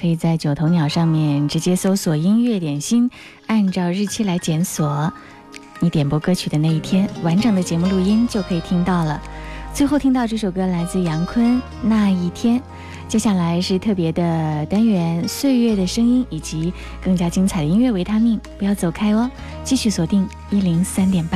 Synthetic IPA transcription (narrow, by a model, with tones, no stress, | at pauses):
kʰɤ˧˥i˨˩t͡sa˥˩ɪt͡ɕjo˨˩ʊt̪ʰo˧˥ʊnjɑ˨˩ʊʂɑ˥˧ŋmjɛ˥˩nʈ͡ʂɻ̩˧˥t͡ɕjɛ˥so˥ʊswɔ˨˩i˥nɥɛ˥˩t̪jɛ˨˩nɕi˥n | a˥˧nʈ͡ʂɑ˥˧ʊɻɻ̩˥˩t͡ɕʰɛ˥la˧˥ɪt͡ɕjɛ˧˥nswɔ˨˩˦ | ni˧˥t̪jɛ˨˩npwɔ˥kɤ˥t͡ɕʰy˨˩d̪ə˦na˥˧i˥˩t̪ʰjɛ˥nwa˧˥nʈ͡ʂɤ˨˩ŋd̪ə˦t͡ɕjɛ˧˥mu˥˧lu˥˩˧i˥nt͡ɕjo˥˩ʊkʰɤ˧˥i˨˩t̪ʰi˥ŋt̪ɑ˥˩ʊlə˩t͡swe˥˧ɪxo˥˩ʊt̪ʰi˥ŋt̪ɑ˥˧ʊʈ͡ʂɤ˥˩ʂo˨˩ʊkɤ˥la˧˥ɪt͡sɹ̩˥˩jɑ˧˥ŋkʰwə˥n | na˥˧i˥˩t̪ʰjɛ˥n | t͡ɕjɛ˥ɕja˥˩la˧˥ɪʂɻ̩˥˧t̪ʰɤ˥˩pjɛ˧˥d̪ə˧t̪a˥nɥɛ˧˥nswe˥˧ɪɥɛ˥˩d̪ə˩ʂɤ˥ŋi˥ni˨˩t͡ɕi˧˥ | kɤ˥˩ŋt͡ɕja˥t͡ɕi˥ŋt͡sʰa˨ɪd̪ə˧i˥nɥɛ˥˩we˧˥ɪt̪ʰa˥mi˥˩ŋpu˧˥jɑ˥˩ʊt͡so˨˩ʊkʰa˥ɪə˥˧ | t͡ɕi˥˧ɕy˥˩swɔ˨˩t̪i˥˩ŋ | i˥li˧˥ŋsa˥nt̪jɛ˨˩npa˥